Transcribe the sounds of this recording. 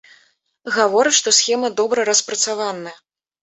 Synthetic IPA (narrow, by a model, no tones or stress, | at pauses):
ɣavɔɾɨʂt̪ɔsxʲɛmɐd̪ɔbɾɐɾɐspɾɐt̪savanːɐjɐ